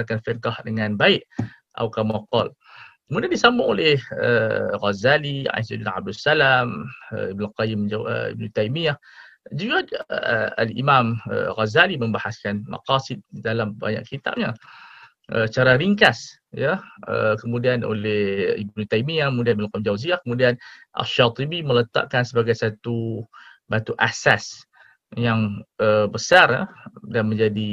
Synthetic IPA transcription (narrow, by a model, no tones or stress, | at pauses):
akanfɛrkahdəŋãnbaɪʔ | ʔa̰wkamaqɔl | əmudiandisambʊŋolɛhə̰ɣazalia̰sidinʕa̰b̚dusalamə̰ibnulqɑjɪmaə̰ḭb̚nut̪ajmijah | d͡ʒuɡa | a̰lḭmamə̰ɣazalimə̃mbahaskanma̰qɑsɪd̪̚dalamba̰ɲa̰ʔkit̪a̰p̚ɲa | ʔə̰t͡ʃaɾaɾiŋkas | jaə̰kəmũdiano̰lɛhibnut̪aimiakəmudianbilkamd͡ʒawziahkəmudianʔa̰lʃat̪ˤibimələt̪a̰ʔkansəbaɡajsat̪u | bat̪uʔasas | jaŋəbəsara̰danmə̃ɲd͡ʒadi